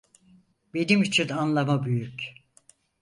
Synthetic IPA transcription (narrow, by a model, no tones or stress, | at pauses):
be̞nimyt͡ʃʰynanlˠamabyjyc